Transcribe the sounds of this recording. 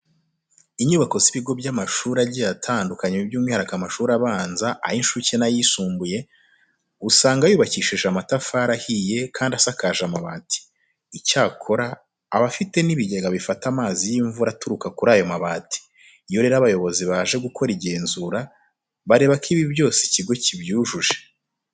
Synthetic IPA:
iɲuːβako̞ziβiɡo̞bɟamaʃuːɾaɟijatʰaːndukaɲebjuːmŋihaɾakamaʃuːɾaβaːnzaʔa̰hinʃucenajisuːmbuje̞ | usaːŋɡajuːβaciʃiʒamatafaːɾahije̞kʰaːndasakaːʒamaβaːti̥ː | caːkʰo̞ɾaː | βafite̞niβiɟeɡaβifatamaːzijiɱvuɾatuɾukakuɾaːjo̞maβati̥ | jo̞ɾe̞ːɾaβajo̞βo̞ziβaːʒe̞ɡukʰo̞ɾiɟe̞ːnzuɾa | βaɾe̞ːβakʰiβiβjo̞ːseciɡo̞cibjuːʒuʒe̞

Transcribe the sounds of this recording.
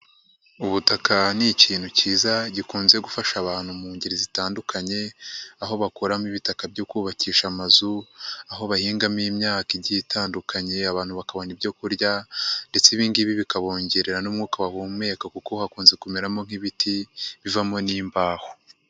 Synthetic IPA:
uβutakaniciːn̥huciːzaɟikuːnze̞ɡufaʃaβaːnhumuːɲɟeɾizitaːndukʰaɲe̞aɦo̞βakoɾamiβitakabɟokuːβaciːʃamazuaɦo̞βahiːŋɡamimɲaːkiɟitʰaːndukʰaɲe̞aβaːn̥huβakaβo̞nibjo̞kuɾɟande̞t͡seβiːŋɡiβiβikaβo̞ːɲɟeɾeɾanumŋuːkaβahuːme̞kakukohakuːnze̞kumeɾamo̞ŋ̥iβitʰiβivamoniːmbaːho

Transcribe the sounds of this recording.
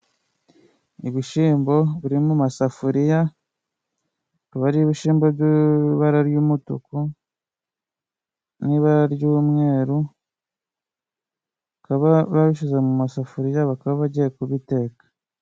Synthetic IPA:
iβiʃiːmbo̞βuɾimumasafuɾija | βaɾiβiʃiːmboɟiβaɾaɾjuːmutṵku | niβaɾaɾjuːmŋe̞ːɾu | βakaβaβaβiʃizemumasafuɾijaβakaβaβaɟijekuβite̞ːkḁ

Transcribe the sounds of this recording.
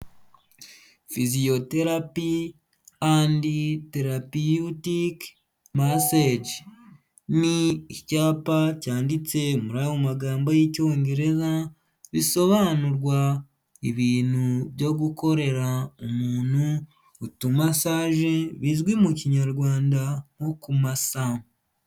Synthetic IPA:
fizio̞te̞ɾapi | andite̞ɾapiutik | mased͡ʒ | niːcaːpacaːndit͡se̞muɾajomaɡaːmbojico̞ːŋɡe̞ɾe̞za | βiso̞βanuɾwa | iβiːnhuβjo̞ɡuko̞ɾe̞ɾaomuːn̥uː | tumasaːʒe̞βizɡwimuciɲaɾɡwaːndaŋokumasa

